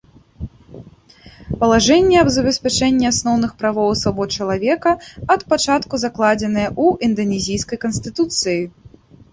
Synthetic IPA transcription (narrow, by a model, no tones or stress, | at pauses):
pɐlˠaʐɛnʲːɛɐbzɐbʲɛspʲat͡ʂɛnʲːɛasnɔwnɨxpɾavɔwsabɔt͡ʂɐlˠavʲɛkɐɐt̪pat͡ʂat̪kuzaklˠad͡zʲɛnɨjɐʔuind̪ɐnʲɛzʲijskɐjkɐnsʲt̪ɨt̪ut̪sɨji